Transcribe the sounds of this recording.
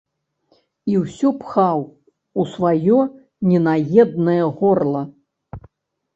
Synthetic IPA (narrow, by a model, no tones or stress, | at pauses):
iwsʲɔpxaw | usvajɔ | nʲɛnajɛd̪̚nɐjɐɣɔrlˠɐ